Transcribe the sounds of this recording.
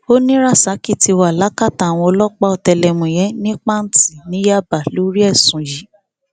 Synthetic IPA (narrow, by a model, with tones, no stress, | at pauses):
o˦nĩ˦ɾa˦˨sa˨˦ki˦˨ti˧wa˨la˨˦ka˦ta˨w̃ɔ̃˧ɔ˧lɔ˦k͡pa˦ɔ˧tɛ˧lɛ˧mũ˨jɛ˨˦nĩ˦k͡pa˦n̩˨ti˨nĩ˨˦ja˦˨ba˨lu˨˦ɾi˦ɛ˦˨sũ˨ji˨˦